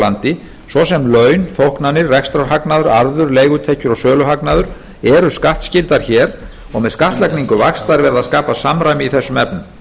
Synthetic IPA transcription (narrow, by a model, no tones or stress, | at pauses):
ant̪ɪ | svɔsɛmlœːɥnθowhknanːɪrːɛkst̪ɾawɾɦaknaðʏɾaɾðʏɾleːjɣʏt̪ʰehcʏɾɔɣsœːlʏɦaknaðʏɾ̥ | ɛɾʏskaht̪scɪlt̪aɾ̥çɛːɾ | ɔɣmɛðskaht̪lajkniŋkʏvaxst̪aɾvɛɾðaðskaːpasamɾajmɪiθɛsːʏmɛpnʏm